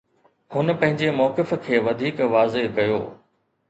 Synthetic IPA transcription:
hʊnpɐ̃ɦɪ̃ɲd͡ʑemɔːkɪfkʰeːʋɐd̪ʱiːkʋaːzekɐjo̰ː

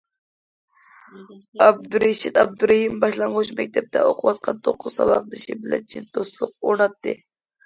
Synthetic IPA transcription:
ɑb̚d̪uɾeʃit̪ɑb̚d̪uɾɑhimbɑʃlˠɑɴʁot͡ʃmɛk̚ʲt̪ʰɛp̚t̪ʰɛ̰oqʰʊwɑt̪̚qʰɑnt̪ʰoqʰːʊz̥sɑ̰vɑ̰qd̪ɨʃibɪlɛ̰nt͡ʃʰind̪̥ost̪lˠʊq̚oɾnɑt̪ːɨ

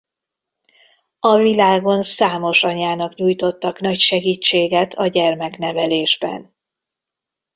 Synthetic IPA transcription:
ɒvilaːɡo̞nsaːmo̞ʃɒɲaːnɒkɲuːjt̪o̞t̪ːɒknɒcʃɛɡiːt͡ʃːeːɡɛt̪ʰɒɟɛrmɛkn̪ɛvɛleːʒbɛ̰n

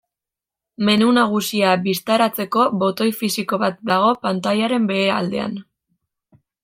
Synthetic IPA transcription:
me̞nunaɣ̞usiaβist̪aɾat͡se̞ko̞βo̞t̪o̞jfisiko̞βat̪̚d̪aɣ̞o̞pant̪aʎaɾe̞mbe̞ːɾa̰ld̪e̞a̰n

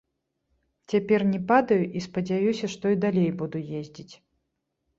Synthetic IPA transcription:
t͡sʲapʲɛrnʲɛpad̪ɐjuʔispɐd͡zʲajusʲɐʂt̪ɔid̪alʲejbud̪ujezʲd͡zʲit͡sʲ

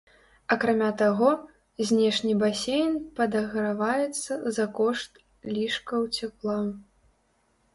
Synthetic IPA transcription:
ɐkɾamʲat̪aɣɔ | zʲnʲɛʂnʲibasʲejnpɐd̪ɐɣɾavajɛt̪sːɐzɐkɔʂt̪ | lʲiʂkɐwt͡sʲɛplˠaw

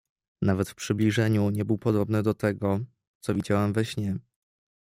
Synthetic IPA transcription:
navɛt̪fpʂɘblʲiʐɛɲuɲɛbɘwpɔd̪ɔbnɘd̪ɔt̪ɛɡɔ | t̪sɔvʲid͡ʑawɛmvɛɕɲɛ

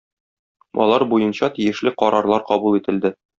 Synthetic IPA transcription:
ɒ̰lˠɑɾbujɤnɕɑt̪ijɘ̆ʃlɘqɒɾɑɾlˠɑɾqɒbulˠit̪ɘ̆ld̪ɘ

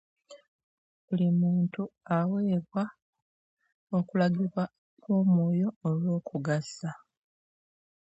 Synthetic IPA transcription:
bulimuːntuawe̞ːβwa | o̞kulaɡiβwa | kumoːjo̞ːlwo̞ːkʰuɡasa

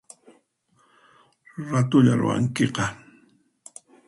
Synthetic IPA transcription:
ɾat̪ʊʎaɾʊ̰wa̰ŋkeqɑ

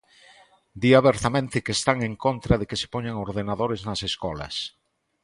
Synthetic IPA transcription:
d̪iaβeɾt̪amẽnt̪ekest̪aŋeŋkont̪ɾaðekese̥poɲaŋoɾð̞enaðoɾeznaseskɔla̰s

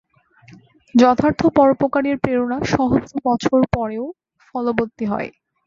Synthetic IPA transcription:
d͡ʑɔt̪ʰaɾt̪ʰopɔɾopokaɾeɾpɾeɾonaʃɔɦod͡ʑobɔt͡ɕʰoɾpɔɾeo | fɔlobot̪ːiɦɔ̰e

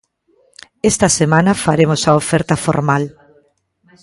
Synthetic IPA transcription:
est̪ɐsemãnɐfaɾemosaofɛɾt̪ɐfo̰ɾmal

